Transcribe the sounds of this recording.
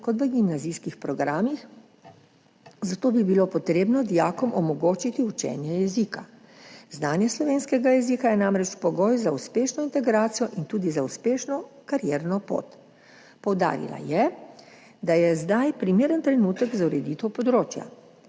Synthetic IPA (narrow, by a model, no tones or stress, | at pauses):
kɔt̪ʋəɡimnaziːskixpɾɔɡɾaːmix | zat̪oːbibilopɔt̪ɾeːbnɔd̪ijaːkɔmʔɔmɔɡoːt͡ʃit̪iut͡ʃɛ̰ːnjɛjɛzika | znaːnjɛslɔʋeːnskɛɡajɛziːkajɛnamɾɛt͡ʃpɔɡɔːjzauspeːʃnɔint̪ɛɡɾaːt̪sijɔʔint̪uːd̪izauspeːʃnɔkaɾjɛːɾnɔpo̰ːt̪ | pɔwd̪a̰ːɾḭla̰jɛ | d̪ajɛzd̪ajpɾimeːɾənt̪ɾɛnuːt̪əɡzauɾɛd̪it̪ɛwpɔd̪ɾoːt͡ʃja̰